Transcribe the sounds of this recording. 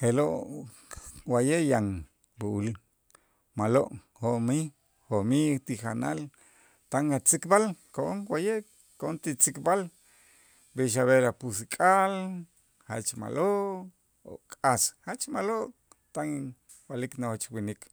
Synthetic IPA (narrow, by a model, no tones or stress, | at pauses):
heloʔ | wajeʔjaŋ | buul | maloʔ | homi | homit̪ixanal | t̪aŋat͡sikbalkoʔoŋwajeʔ | koont̪it͡sikbal | beʃ̬aβeɾapus̬ikʼal | ha̰t͡ʃma̰lo | o̰kʼashat͡ʃmaloʔ | t̪aŋ | baliknoht͡ʃwinik